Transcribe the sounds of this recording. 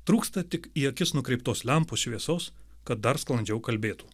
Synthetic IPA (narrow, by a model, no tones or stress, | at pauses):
t̪ɾuːkst̪ɐt̪ʲɪkiːɐkʲɪsnʊkɾʲɛɪp̚t̪oːslʲɛmpoːsʃʲʋʲiɛsoːs | kɐt̪̚d̪ɐɾsklˠɐnʲd͡ʒʲɛʊkɐlʲbʲeːt̪u̥ː